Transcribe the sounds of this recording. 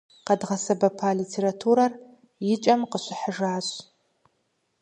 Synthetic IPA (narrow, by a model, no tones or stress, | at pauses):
qɐdʁɐsɐbɐpʰaːlitʰeɾatʰuːɾɐr | jɪt͡ʃʼɐmqəɕʷɪħəʐaːɕ